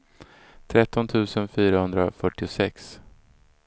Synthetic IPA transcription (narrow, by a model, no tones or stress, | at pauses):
t̪ʰɾɛt̪ːɔnt̪ʰʉ̟ːsənfyːɾahɵnd̪ɾafœʈːɪʊsɛks